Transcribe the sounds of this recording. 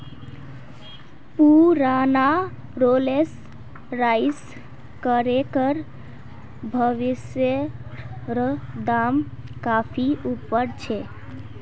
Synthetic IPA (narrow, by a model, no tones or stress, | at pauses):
puɾana | ɾoles | ɾais | kəɾekəɾ | bʱəʋisjə | ɾəd̪am | kapʰiupːəɾt͡ʃʰɛ